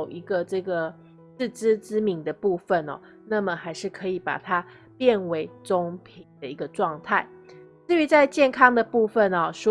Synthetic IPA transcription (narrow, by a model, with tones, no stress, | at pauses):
ʊʔi˧˥ɡə˧ʈ͡ʂɤ˥˩ɡə˩ | t͡s̩˥˩ʈ͡ʂɻ̩˥t͡sɻ̩˥mi˧˥ŋd̪ə˨pu˥˧fə˨nɐ̰˨˩ | na˥˩mə˩xa˧˥ɪʂɻ̩˥˩kʰɤ˧˥i˨˩pa̰˨˩t̪ʰa˥ | pjɛ˥˩nwe˧˥ɪʈ͡ʂo˥ŋpʰi˨ŋ˩ŋd̪ə˦i˧˦˥ɡə˧ʈ͡ʂwɑ˥˧ŋt̪ʰa˥˩ɪ | t͡sɹ̩˥˩y˧˥t͡sa˥˧ɪt͡ɕjɛ˥˩nkʰɑ˥ŋd̪ə˨pu˥˧fə˨nɐ˨˩ʂ